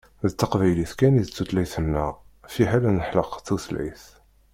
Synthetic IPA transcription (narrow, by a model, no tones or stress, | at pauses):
ðət̪ːəqvæjliθkæniðt͡sːut̪læjθənːæ | fiɦælænəħləqθuθlæ̰jθ